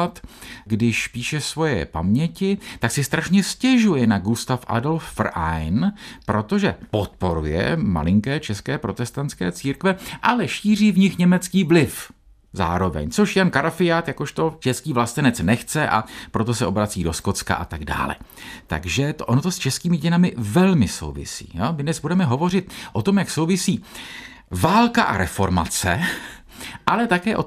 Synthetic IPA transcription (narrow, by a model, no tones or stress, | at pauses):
at̪ɡdɪʃpiːʃɛsvo̞jɛ̰pa̰mɲɛcɪt̪aksɪst̪ɾaʃɲɛscɛʒujɛnaɡust̪afʔa̰dolffrʔa̰jnpɾo̞t̪o̞ʒɛpo̞t̪̚po̞ɾujɛ̰ma̰lɪŋkɛːt͡ʃɛskɛːpɾo̞t̪ɛst̪ant͡sskɛ̰ːt͡siːɾkvɛʔalɛʃiːr̝iːvɲɪxɲɛmɛt͡skiːvlɪf | za̰ːɾo̞vɛ̰ɲt͡soʃjankaɾafɪjaːt̪jako̞ʃt̪o̞t͡ʃɛskiːvlast̪ɛnɛt͡snɛxt͡sɛʔa̰pɾo̞t̪o̞sɛʔo̞bɾat͡siːdo̞sko̞t͡ska̰ʔat̪aɡda̰ːlɛ̰t̪a̰ɡʒɛt̪ʔonot̪o̞st͡ʃɛskiːmɪɟɛnamɪvɛlmɪso̞̰wvɪ̰sḭːjomɪdnɛzbudɛmɛɦo̞vo̞r̝ɪt̪̚ʔo̞t̪o̞mjakso̞wvɪsiː | vaːlkaʔa̰ɾʔɛfo̞ɾma̰t͡sɛ̰ | ʔalɛt̪akɛːʔo